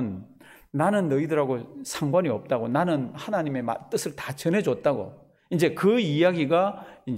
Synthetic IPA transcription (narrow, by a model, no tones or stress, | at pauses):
nː | anɯnːʌidɯɾaɡosʰaŋɡwaɲiʌp̚t͈aɡonanɯnhanaɲime̞ma̰t͈ɯsʰɯɭtḁt͡ɕʌnɦe̞d͡ʑot̚t͈aɡo̰ | ind͡ʑekɯijaɡiɡain